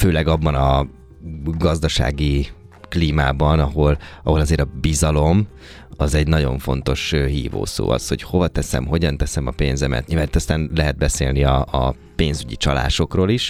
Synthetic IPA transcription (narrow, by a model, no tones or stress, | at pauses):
føːlɛɡɒbːɒnɒ | ɡɒzd̪ɒʃa̰ːɡi | kliːmaːbɒnɒɦo̞lɒɦo̞lɒzeːɾɒbizɒlo̞m | ɒzɛɟnɒɟo̞̰ɱfo̞nt̪o̞ʃɦḭːvo̰ːso̰ːɒ̰sho̞̰cho̞vɒt̪ɛsɛ̰mɦo̞ɟɒnt̪ɛsɛmɒpeːnzɛmɛ̰t̪ɲivaːnit̪ːɒst̪aːnlɛɦɛd̪̚bɛsḛːlniɒː | peːnzyɟḭt͡ʃɒla̰ːʃo̞kroːliʃ